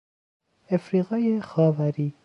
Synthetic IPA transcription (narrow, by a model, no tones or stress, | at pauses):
efɾiːɣɒːjexɒːvæɾiː